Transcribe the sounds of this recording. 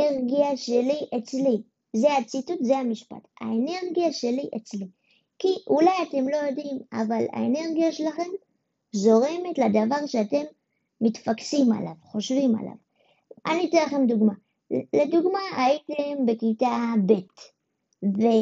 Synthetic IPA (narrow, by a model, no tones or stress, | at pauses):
eʁɡiaʃe̞liʔe̞t͡sli | zeat͡situtzehamiʃpa̰ta̰e̞ne̞ʁɡijaʃe̞liʔet͡sli | kiʔulajate̞mlo̞jo̞dima̰vala̰e̞ne̞ʁɡijaʃelaχe̞m | zo̞ʁe̞me̞tladavaʁʃeate̞mː | itfaksima̰lavχo̞ʃvima̰lʔa̰v | ʔanitilaχe̞mduɡma | le̞duɡmaaitembe̞kitabe̞t | ve